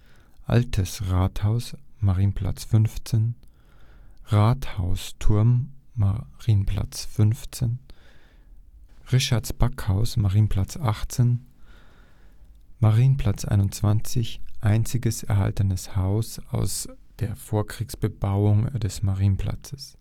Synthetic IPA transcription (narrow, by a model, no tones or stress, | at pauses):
ʔa̰ltʰəsʁaːthaʊsmaʁiːnpʰl̥a̰t͡sfʏnft͡sen | ʁaːthaʊstʰʊɐmːaʁiːnənpʰl̥a̰t͡sfʏnft͡sen | ʁɪʃaɐtsb̥akhaʊsmaʁiːn̩pʰl̥at͡sʔaχt͡sen | maʁiːnən̩pʰl̥at͡sʔa̰ɪnʊnt͡sv̥ant͡sɪçʔaɪnt͡sɪɡəsɛɐha̰ltənəshaʊsa̰ʊsd̥eːɐfoːɐkʁ̥iːksb̥əbaʊʊŋd̥ɛsmaʁiːnənpʰl̥a̰t͡sə̥s